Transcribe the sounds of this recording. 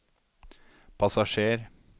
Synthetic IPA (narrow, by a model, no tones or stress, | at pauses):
pʰɑsɑʃeːɾ